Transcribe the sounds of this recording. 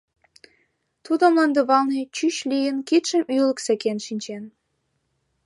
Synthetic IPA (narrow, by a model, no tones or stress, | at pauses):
t̪ud̪omlɑnd̪əβɑlnet͡ɕyɕlʲijənkit̪ʃə̆mylə̆ksə̆kenʃinʲt͡ɕen